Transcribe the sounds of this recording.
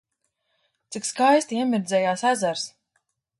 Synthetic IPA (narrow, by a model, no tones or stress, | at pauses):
t̪sikskajst̪iɛmʲiɾd̪zɛːjaːsæzaɾs